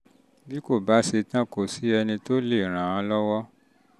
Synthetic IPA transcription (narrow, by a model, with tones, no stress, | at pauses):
bi˦ko˦˨ba˦se˧tã˦˨ko˨si˨˦ɛ˧nĩ˧to˦le˦˨ɾ̃ã˨ã˧lɔ˦wɔ˦